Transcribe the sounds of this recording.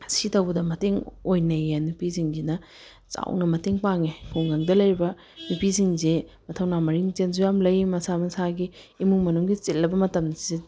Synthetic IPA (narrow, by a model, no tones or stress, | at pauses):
sitɐwbɐdɐmɐteŋojnɐjanupiziŋɡinɐ | t͡ʃa̰wnɐmɐteŋpaŋekʰuŋɡaŋdɐlɐjɾibɐ | nupiziŋzemɐtʰɐwnamɐɾiŋzenzujamlɐjmɐsamɐsaɡiːmuŋmɐnuŋɡit͡ʃilːɐbɐmɐtɐmdɐze